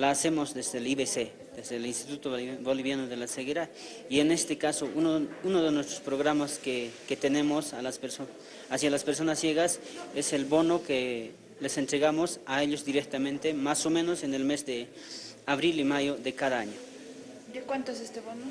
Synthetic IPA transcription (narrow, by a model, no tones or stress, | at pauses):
laːse̞mozðezðeliβese | d̪ezðelinst̪it̪ut̪obo̞liβjanoðelaseɣeɾað | iene̞st̪ekasoʔunounoðenwest̪ɾospɾoɣɾamaskeket̪enẽ̞mosalaseɾo | asjalaspeɾs̬o̞nasje̞ɣase̞se̞lbo̞noke | lesent̪ɾeɣamosae̞ʎozd̪iɾek̚t̪amẽnt̪emaso̞mẽno̞sene̞lme̞zd̪e | aβɾilimajoðe̞kaðaaɲo | d̪ekwant̪oesest̪eβono